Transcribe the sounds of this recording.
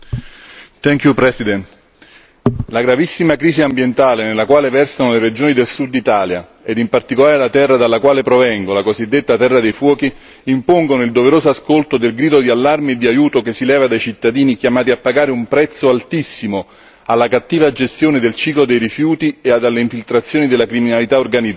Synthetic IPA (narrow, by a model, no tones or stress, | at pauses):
t̪ɛŋkjupɾɛsid̪ɛnt̪ | laɡɾavisːimakɾiːziambjent̪aːlenelːakwaːlevɛrsanoleɾed͡ʒoːnid̪elsud̪ːit̪aːlja̰ | ed̪impart̪ikolaːɾelat̪ɛrːad̪alːakwaːlepɾovɛŋɡolakozid̪ːet̪ːat̪ɛrːad̪ejfwɔːkiː | mpoŋɡonoild̪oveɾoːzoaskolt̪od̪elɡɾiːd̪od̪ialːarmied̪ːiajuːt̪okesːilɛːvad̪ajt͡ʃit̪ːad̪iːnikjamaːt̪iapːaɡaːɾeumpɾɛt̪sːoalt̪isːimo | alːakat̪ːiːvad͡ʒest̪joːned̪elt͡ʃiːklod̪ejɾifjuːt̪iead̪alːeiɱfilt̪ɾat̪sjoːnid̪elːakɾiminalit̪aorɡanid̪